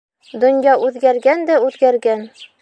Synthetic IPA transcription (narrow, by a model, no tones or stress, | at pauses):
d̪ŏnjɑʔʉðɡæɾɡænd̪æʉðɡæɾɡæn